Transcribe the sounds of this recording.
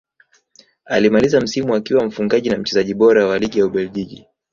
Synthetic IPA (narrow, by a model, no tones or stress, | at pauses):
alimalizam̩simuakiwam̩fuŋɡaʄinam̩t͡ʃɛzaʄiɓɔɾawaliɠijauɓɛlʄiʄi